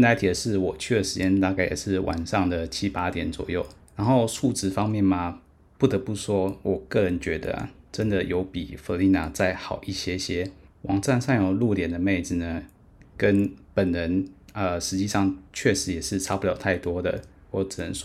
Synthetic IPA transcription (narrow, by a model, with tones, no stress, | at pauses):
nt̪a˥t̪ʰi˨˩d̪ə˩ʂɻ̩˥˩wɔ˨˩t͡ɕʰy˥˩d̪ə˨˩ʂɻ̩˧˥t͡ɕjɛ˧˥nt̪a˥˧ka˥˩ɪjɛ̰˨˩ʂɻ̩˥˩wʔa̰˨˩nʂɑ˥˩ŋd̪ə˩t͡ɕʰi˦˥pa˥t̪jɛ˨˩˦nt͡swɔ̰˨˩jo˥˩ʊ | na˧˥nxo˥˧ʊsu˥˩ʈ͡ʂɻ̩˧˥fɑ˥ŋmjɛ˥˩nma˨ | pu˥˩t̪ə˧˥pu˥˩ʂwɔ˥wʔɔ˨˩kɤ˥˩ɻə˧˦nt͡ɕɥɛ˧˥d̪ə̰˧˨ʈ͡ʂə˦˥nd̪ə˨jo˧˥ʊpḭ˨˩fə˧˥li˧˥na̰˨˩t͡sa˥˩ɪxɑ˨˩ʊʔi˥˩ɕjɛ˥ɕjɛ˥wɑ˨˩ŋt͡sa˥˧nsa˥˩njo˨˩ʊlu˥˩ljɛ˨˩nd̪ə˨me˥˩ɪd͡z̩˨˩nə˩ | kə˦npə˨˩nɻə˧˦˥nə˧ʂɻ̩˧˥t͡ɕi˥˧ʂɑ˥˩ŋt͡ɕʰɥɛ˥˩ʂɻ̩˧˥jɛ˨˩ʂɻ̩˥˩ʈ͡ʂʰɑ˥pu˥˩ljɑ˨˩ʊt̪ʰa˥˩ɪt̪wɔ˥d̪ə̰˨ | wɔ˧˩ʈ͡ʂ̩˨˩nə˧˦ʂw